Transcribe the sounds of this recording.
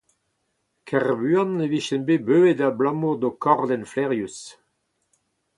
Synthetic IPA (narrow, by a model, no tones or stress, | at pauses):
kʰɛʁbyãneviʃɛnbebøːedablãmod̪okʰɔʁdɛnflɛʁjus